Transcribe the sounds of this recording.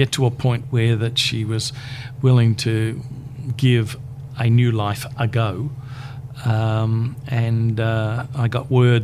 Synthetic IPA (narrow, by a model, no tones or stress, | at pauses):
ɛtʰəəpʰɔ̃ɪ̃nʔwə˞ðɨtʃiwʌzwɪlˠɪ̃ŋtʰɨ | ɡɪv | ɨnjʉlaɪfʔəɡoʊ | ʌ̃mɨ̃n | aɪɡɑ̰ʔ̚wɜ˞d